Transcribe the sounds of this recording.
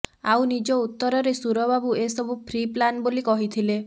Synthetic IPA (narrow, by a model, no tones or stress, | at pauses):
awnid͡ʒɔut̪ːɔɾɔɾesuɾɔbabuesɔbupʰɾiplanbolikɔɦit̪ʰile